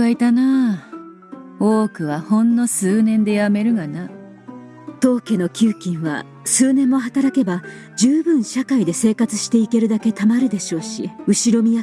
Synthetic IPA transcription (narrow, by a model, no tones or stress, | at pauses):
ait̪ana | oːkɯ̟βahõ̞nːo̞sɨːnẽ̞nd̪e̞jame̞ɾɯ̟ɡana | t̪o̞ːke̞no̞kʲɨːkʲĩɰ̃βa̰ | sɨːnẽ̞mːo̞ɦat̪aɾake̞ba | d͡ʑɨːbɯ̟̃ɰ̃ɕakaid̪e̞se̞ːkat͡sɨɕi̥t̪e̞ike̞ɾɯ̟d̪ake̞t̪amaɾɯ̟d̪e̞ɕo̞ːɕiɯ̟ɕiɾo̞mʲija